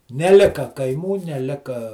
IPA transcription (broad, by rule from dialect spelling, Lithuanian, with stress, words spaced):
nʲɛˈlʲɪkɐ kɐɪˈmuː nʲɛˈlʲɪkɐ